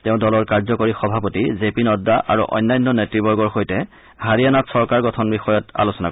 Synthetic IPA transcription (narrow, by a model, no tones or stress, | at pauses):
teʊ̃dɔlɔɹkaɹzɔkoɹixɔbʱapotizepinɔdːaʔa̰ɹṵʔɔ̰jnːajnːɔnetɹibɔɹɡɔɹxojtɛ | haɹianatsɔɹkaɹɡɔtʰɔnbixɔjɔta̰losɔna̰